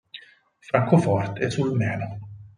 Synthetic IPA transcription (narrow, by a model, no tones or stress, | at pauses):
fɾaŋkɔfɔɾt̪ʰɛsulmɛːnɔ